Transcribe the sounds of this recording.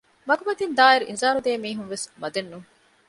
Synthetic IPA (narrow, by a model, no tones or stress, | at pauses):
mɐɡumɐt̪ind̪aːiɾuʔḭnzaːɾud̪eːmiːɦunʋesmɐd̪enːuŋ